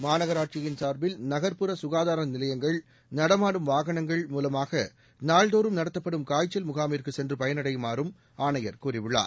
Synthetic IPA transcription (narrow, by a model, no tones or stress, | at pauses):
maːnɐɣɐɾaːʈ̚t͡ʃɪjɪnsaːɾbɪlnɐɣɐɾpɯɾɐsʊɣaːðaːɾɐnɪlɐjɐŋɡɐɭ | nɐɽɐmaːɽɯmʋaːɣɐɳɐŋɡɐɭmuːlɐmaːɣɐ | naːɭd̪oːɾɯmnɐɽɐt̪ːɐpːɐɽɯmkaːjt͡ʃːɐlmʊɣaːmɪɾkɯsɛndrɯpɐjɐnɐɽɐɪjmaːɾɯm | aːɳɐjɐɾkuːrɪʋɯɭːa̰ːɾ